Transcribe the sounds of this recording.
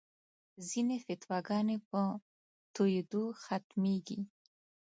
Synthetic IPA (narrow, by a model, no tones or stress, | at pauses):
zinefɪt̪waɡɑnepə | t̪ʰujd̪uxat̪meɡi